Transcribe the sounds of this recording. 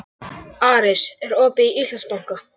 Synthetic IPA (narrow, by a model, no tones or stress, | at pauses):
aːɾɪsɛɾɔːpɪiiːsʏspawŋ̥ka